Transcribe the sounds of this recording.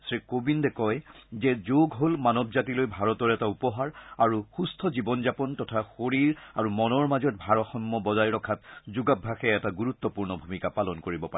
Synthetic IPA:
sɹikobindɛkɔjzɛzoɡɦolmanɔbzatilojbʱaɹɔtɔɹɛtaupɔɦaɹaɹuxustʰɔzibɔnzapɔntɔtʰaxoɹiɹaɹumɔnɔɹmazɔt̚bʱaɹɔxɔmːɔbɔzajɹɔkʰat̚zuɡabʱːaxɛɛtaɡuɹut̪ːɔpuɹnɔbʱumikapalɔnkoɹibɔpa

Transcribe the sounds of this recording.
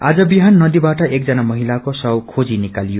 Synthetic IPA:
a̰d͡zʌbiɦanːʌd̪ibaʈʌʔek̚d͡zʌnamʌɦilakosʌwkʰod͡zinikalijo

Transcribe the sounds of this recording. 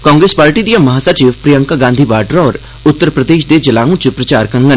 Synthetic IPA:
kɔ̃ːŋɡɾeːspaːɾʈid̪ijamɐɦaːsat͡ʃiʋpɾijə̃ŋkaɡãːnd̪ʱibaːʈəɾɔːɾ | ʊt̪ːəɾpɾɐd̪eːʃd̪ed͡ʒɐlaːũt͡ʃəpɾɐt͡ʃaːɾkɐ̃ŋɡə

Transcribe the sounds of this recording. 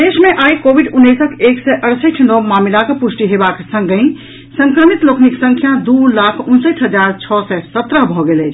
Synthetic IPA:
d̪esmeʔajkobʱiɖunːəsəkʰeksɛʔəɽsəʈʰnɔwmamilakepusʈiɦebaksə̃ŋɡəĩ | sə̃ŋkɾəmit̪lokʰniksə̃ŋkʰjad̪ulakʰunsəʈʰɦəd͡ʒaɾt͡ʃʰɔsɛsət̪ɾəɦbʱɔɡelɛt͡ʃʰ

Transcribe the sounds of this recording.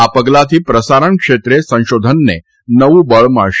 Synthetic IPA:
apəɡlat̪ʰipɾəsaɾəɳkʃet̪ɾesə̃ʃod̪ʱənːe | nəʋũbəɭma̰ɭʃ

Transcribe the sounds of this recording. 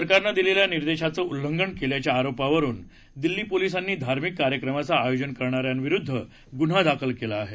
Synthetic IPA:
əɾkaɾnəd̪ileljaniɾd̪eɕat͡səːulːəŋɡəɳkeljat͡ɕjaːɾopaʋəɾuːn | d̪ilːiːpolis̬anːiːd̪ʱaɾmikːaɾjəkɾəmat͡saːjod͡ʑənkəɾɳ̃aɾjanʋiɾud̪ʱːə | ɡun̤ad̪akʰəlkelaːɦe

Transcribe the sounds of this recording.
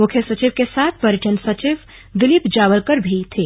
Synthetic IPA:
mukʰjəsət͡ʃiʋkesaːt̪̚ʰpəɾɪʈʰənsət͡ʃiʋ | d̪ɪlipd͡ʒaːʋəlkəɾbʱit̪ʰe

